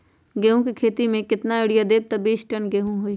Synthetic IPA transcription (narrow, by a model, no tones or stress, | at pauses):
ɡeɦõkikʰeːt̪imẽkɪt̪naɪɽijad̪eːb̚t̪ɐbiːʃʈənɡeɦũɦoiː